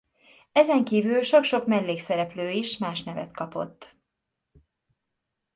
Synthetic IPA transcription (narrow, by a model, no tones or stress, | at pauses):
ɛzɛŋkiːvylʃo̞kʃo̞kmɛlːeːksɛɾɛpløːiʃmaːʃnɛvɛ̰t̪kɒpo̞̰t̪ː